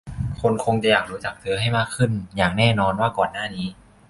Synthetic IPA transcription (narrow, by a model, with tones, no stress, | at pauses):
kʰo˧nkʰo˧ŋt͡ɕa˨˧˩jaː˨˩k̚ɾuː˦˥t͡ɕa˨˩k̚t̪ʰɯ˧˦ɐɦa˥˩jmaː˥˩kʰɯ˥˩njaː˨˩k̚nɛː˥˩nɔː˧nwaː˥˩kɔː˨˩nːaː˥˩niː˦˥